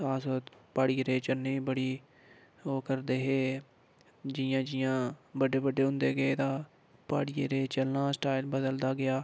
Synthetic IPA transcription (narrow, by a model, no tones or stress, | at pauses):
aːsoːt̪paːɽiːɾeːt͡ʃəlneĩːbəɽiː | oːkəɾd̪eːɦeː | d͡ʒɪjãːd͡ʒɪjãːbəɖeːbəɖeːɦʊ̃nd̪eːɡəeːt̪ãː | pa̰ːɽiːeɾeːt͡ʃəlnaːsʈaːɪlbəd̪əld̪aːɡɪjaː